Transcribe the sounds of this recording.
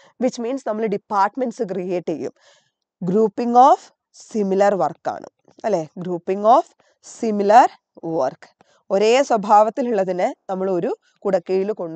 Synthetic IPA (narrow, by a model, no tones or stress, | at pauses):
ʋit͡ɕːmiːnsnɐmːɐɭɨɖipːaːrʈmenɖsɨk̬rijeːʈːejːṵm | ɡɾuːpːiŋɡoːf | similɐrʋɐrkːa̰ːɳɨ̰ | ɐlːeːɡɾuːpːiŋɡoːf | similɐr | ʋɐ̰rk | o̞ɾe̞ːswɐbʱaːʋɐt̪ːiluɭːɐðinɨnɐmːɐɭo̞ɾu | kuɽɐkːejiluko̞ɳɖ